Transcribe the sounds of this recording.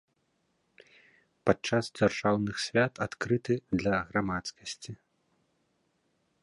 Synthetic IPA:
pat͡ʂasd͡zʲarʐ̥awnɨxsʲvʲat̪ʰat̪kɾɨt̪ɨd̪lʲɐɣɾamat̪skɐsʲt͡sʲi

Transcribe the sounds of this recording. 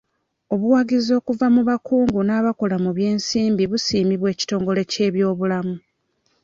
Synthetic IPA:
o̞βuwaɡizo̞ːkuvamuβakuːŋɡunaːβako̞lamuβje̞ːnsiːmbiβusiːmiβwe̞ːci̥to̞ːŋɡo̞le̞ce̞ːβjo̞ːβulamu

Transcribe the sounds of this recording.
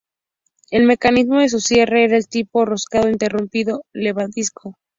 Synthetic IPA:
e̞lme̞kanizmo̞ðes̬usje̞reeɾaelt̪iporoskaðoint̪e̞rumpiðole̞βant̪iskʰo

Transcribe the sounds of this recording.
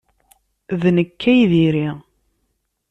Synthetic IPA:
ðnəkːæjðiɾi

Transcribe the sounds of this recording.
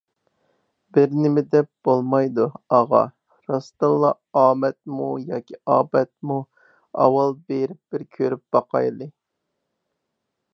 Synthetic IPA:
bɪɾnɪmɪd̪ɛp̚b̥olˠmɑjd̪uɑʁɑ̰ | ɾɑst̪ɑlˠːɑ | ɑːmɛt̪̚mujɑːkʲʰiɑːbɛt̪̚mu | ɑ̰wɑlˠbeɾɪp̚b̥ɪɾkʲʰøɾyp̚b̥ɑqɑ̰jlˠɨ

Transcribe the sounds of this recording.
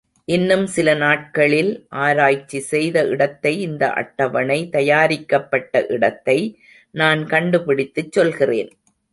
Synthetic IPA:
ʔɪnːɯmsɪlɐnaːʈ̚kɐɭɪlʔaːɾaːjt͡ʃːisɛjðɐʔɪɽɐt̪ːɐɪɪnd̪ɐ̰ʔɐ̰ʈːɐʋɐnɐɪt̪ɐjaːɾɪkːɐpːɐʈːɐ̰ʔɪɽɐt̪ːɐɪ | naːnkɐɳɖɯpɪɽɪt̪ːɯt͡ʃːɔlɣɪrḛːn

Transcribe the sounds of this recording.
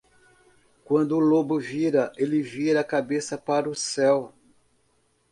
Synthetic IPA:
kwɐ̃nd̪ʊːlobʊviɾɐʔelɪviɾɐakabesɐpaɾʊsɛw

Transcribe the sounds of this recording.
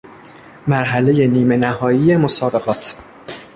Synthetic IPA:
mæɾɦæle̞je̞niːme̞næhɒːjijemosɒːbe̞ɣɒːt̪ʰ

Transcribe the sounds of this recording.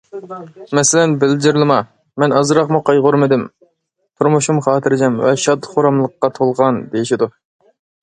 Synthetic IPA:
mɛsɪlɛnbɪld͡ʒ̪ɪɾlˠɨmɑ | mɛnɑzɾɑqmuqʰɑjʁoɾmɪd̪ɪm | t̪ʰuɾmuʃumχɑːt̪ʰɨɾɪd͡ʒɛmvɛʃɑd̪χoɾɑmlˠəqːɑt̪ʰolˠʁɑnd̪ejiʃɪd̪u

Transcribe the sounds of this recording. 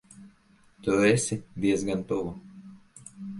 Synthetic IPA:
t̪uɛsʲid̪iɛzɡant̪uvu

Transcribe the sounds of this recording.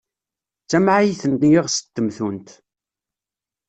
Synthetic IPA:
t͡sːæmʕajiθənt̪jɪʁsə̥t̪ːəmθunt̪

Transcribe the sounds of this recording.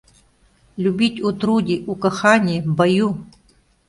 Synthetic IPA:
lʲubʲitʲut̪ɾudʲiukɐxanʲibɐju

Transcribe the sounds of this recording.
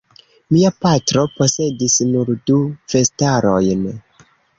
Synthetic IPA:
miapatɾo̞po̞se̞disnuɾdufe̞staɾo̞jn

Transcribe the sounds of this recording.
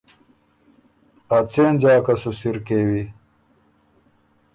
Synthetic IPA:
pat͡seːnd͡ʑaːkɐsusiɾkeːwi

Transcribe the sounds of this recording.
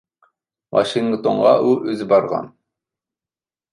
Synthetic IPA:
mɑ̰ʃiŋɡt̪oɴʁɑʔuʔøzɪbɑɾʁɑ̰n

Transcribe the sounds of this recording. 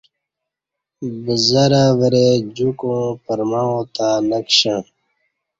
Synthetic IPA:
bəzɐɾaʋəɾed͡ʑukõːpəɾmãot̪aːnəkɕã

